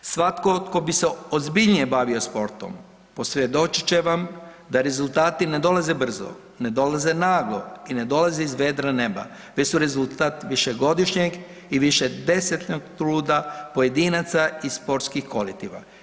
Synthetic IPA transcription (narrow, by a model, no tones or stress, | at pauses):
sʋat̪kot̪ko̞biseozbiʎnije̞baʋio̞spo̞ɾt̪o̞̰m | po̞sʋjed̪o̞t͡ʃi̥t͡ɕe̞ʋamd̪aɾe̞zulˠt̪aːt̪ine̞d̪o̞laze̞br̩zo̞̰ | ne̞d̪o̞laze̞naɡlo̞̰ine̞d̪o̞lazeizʋe̞ːd̪ɾaneba̰ | ʋet͡ɕsuɾe̞zulˠt̪at̪ʋiʃeɡo̞d̪iʃɲeɡ | iʋiʃed̪e̞set̪ɲoɡt̪ɾuːd̪apo̞je̞d̪iːnat̪saisspo̞ɾt̪skixkolit̪iʋa̰